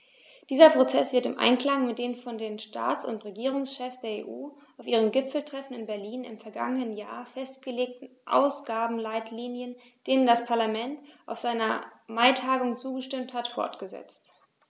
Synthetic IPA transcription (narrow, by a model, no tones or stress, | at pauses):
d̥iːzɐpʁ̥ot͡sɛsv̥ɪɐtɪmʔa̰ɪnkl̥aŋmɪt̚d̥eːnfɔndeːnʃta̰ːt͡sʊ̰ntʁeɡiːʁ̞ʊŋsʃɛfsd̥eːɐḛːʔuːaʊfʔiːʁ̞əmɡɪpp͡fl̩tʁ̥ɛfn̩ɪnbɛɐliːnɪ̰mfɛɐɡa̰ŋənənja̰ːɐfɛstɡ̥əleːk̚tn̩ʔa̰ʊsɡ̥aːbm̩laɪtʰliːnjən | d̥eːnəndaspʰaɐlamɛntʔaʊfz̥aɪnɐmaɪtʰaːɡʊŋt͡suːɡəʃtɪmthatfɔ̰ɐtɡ̥əzɛ̰t͡st